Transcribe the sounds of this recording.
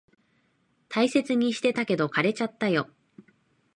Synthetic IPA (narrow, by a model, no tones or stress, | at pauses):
t̪ʰaise̞t͡sɨɲ̟iɕi̥t̪e̞t̪ake̞d̪o̞kaɾe̞t͡ɕat̪ːajo̞